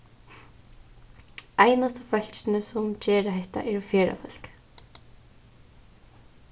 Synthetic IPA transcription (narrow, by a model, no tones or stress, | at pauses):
ajnast̪əfœl̥t͡ʃnɪsʊmcɛːɾaɦɛht̪a̰ʔɛɾɔfjɛːɾa̰fœl̥k